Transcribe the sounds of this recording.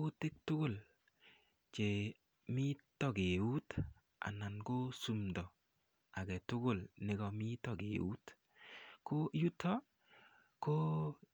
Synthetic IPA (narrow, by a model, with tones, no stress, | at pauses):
o˦te˦k̚tʊ˦ɡʊ˨l | t͡ʃe˨ | mi˦tɔ˨ke˨u˦t | a̰˨na˨nko˦su˨mdɔ˨ | a˨kɛ˨tʊ˦ɡʊ˦˨lne˨ɡɔ˨mi˦tɔ˨ɡḛ˨ṵ˦t | ko˦ju˦tʰɔ˦ | ko˦